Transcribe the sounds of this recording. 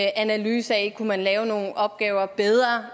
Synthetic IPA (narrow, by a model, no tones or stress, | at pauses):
ʔænælyːsɐɛkʰumænlɛːʊno̝ːn̩ʔɒ̽b̥̚ɡ̥ɛːʊɐb̥eð̞ˠʁɐ